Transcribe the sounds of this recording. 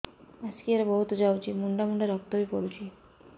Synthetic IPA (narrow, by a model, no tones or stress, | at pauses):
askieɾebɔɦut̪ɔd͡ʒawt͡ʃʰimuɳɖamuɳɖaɾɔp̚t̪ɔbipɔɾut͡ʃʰi